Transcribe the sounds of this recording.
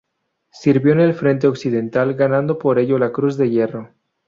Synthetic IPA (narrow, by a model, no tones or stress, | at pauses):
siɾβjo̞ne̞lfɾe̞nt̪̬e̞o̞ksiðe̞nt̪alɡanãnd̪o̞po̞ɾe̞ʝo̞lakɾuzðe̞ʝe̞ro̞